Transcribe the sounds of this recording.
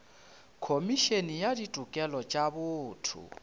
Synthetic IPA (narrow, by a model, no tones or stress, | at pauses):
kʰomiʃenijadidʼʱukʼɛlɔt͡ʃʼaβʊːtʰṵ